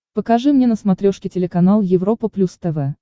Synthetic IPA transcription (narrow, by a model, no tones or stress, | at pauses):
pəkɐʐɨmnʲenəsmɐt̪ɾʲoʂkʲɪtʲɪlʲɪkɐnalˠjɪvɾo̞pəplʲust̪ɛvɛ